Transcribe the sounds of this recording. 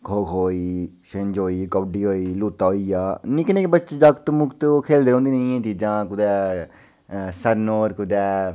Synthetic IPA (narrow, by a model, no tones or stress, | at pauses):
kʰoːkʰɦoːiːʃẽɲd͡ʒɦoːiːkɔbɖiːɦoːiːluːt̪aːɦoːiːjaːnĩːkəneːkebətːt͡ʃd͡ʒəkt̪mʊkt̪okʰeːld̪eːɾõːnd̪iːnəĩãːt͡ʃiːd͡ʒãːkʊd̪ɛː | səɾnoːɾkʊd̪ɛː